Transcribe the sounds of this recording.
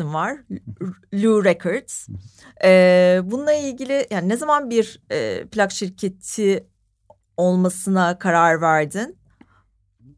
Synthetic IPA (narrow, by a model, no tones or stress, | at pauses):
invaɾ̥ | lʲuɾɛkʰɔɾd̪z̥ | ɛbununˠailʲɟilʲɪjaːninɛzamanbiɾɛ̰ːplʲakʃiɾcʰet̪ʰi | o̞lˠmasɯnakʰaɾaɾvæɾd̪in